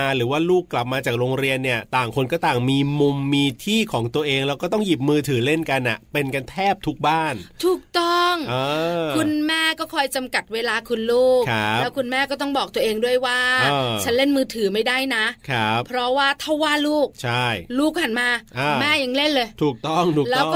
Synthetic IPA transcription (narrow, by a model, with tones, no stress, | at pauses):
ɾɯː˩˦waː˥˩luː˥˩kːla˨˩p̚maː˧t͡ɕaː˨˩k̚ɾoː˧ŋɾi˧ənːi˥˩ɐt̪aː˨˩ŋkʰo˧nkɔː˥˩t̪aː˨˩ŋmiː˧mu˧mːiː˧t̪ʰiː˥˩kʰɔː˩˦ŋt̪u˧əʔeː˧ŋlɛː˦˥wkɔː˥˩t̪ɔ˥˩ŋji˨˩p̚mɯː˧t̪ʰɯː˩˦le˥˩nka˧nʔa˨˩pe˧nka˧nt̪ʰɛː˥˩p̚t̪ʰu˦˥k̚baː˥˩nt̪ʰuː˨˩k̚t̪ɔ˥˩ŋʔɤː˧kʰu˧nmɛː˥˩kɔː˥˩kʰɔː˧jt͡ɕa˧mka˨˩t̪̚weː˧laː˧kʰu˧nluː˥˩kʰa˦lːwkʰu˧nmɛː˥˩kɔː˥˩t̪ɔ˥˩ŋbɔː˨˩k̚t̪u˧əʔeː˧ŋdu˥˩əjwaː˥˩˧t͡ɕʰa˦˥nle˥˩nmɯː˧t̪ʰɯː˩˦ma˥˩jdaː˥˩jna˦˥kʰa˦˥ppʰɾɔ˦˥waː˥˩t̪ʰa˥˩waː˥˩luː˥˩k̚t͡ɕʰa˥˩jluː˥˩k̚pa˨˩nmaː˧ʔaː˧˩mɛː˥˩ja˨˩ŋle˥˩nlɤː˧jt̪ʰuː˨˩k̚t̪ɔ˥˩ŋt̪ʰuː˨˩lklɛː˦˥w